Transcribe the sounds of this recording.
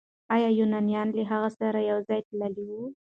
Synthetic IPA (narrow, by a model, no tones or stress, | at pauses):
ɑjɑjunɑnijɑnləɦaɣasaɾajawzɑjt̪laliwu